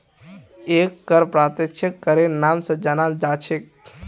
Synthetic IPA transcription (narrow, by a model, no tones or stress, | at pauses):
ekːəɾpɾat̪et͡ʃʰekːəɾenaːmsə̃d͡ʒanald͡ʒat͡ʃʰek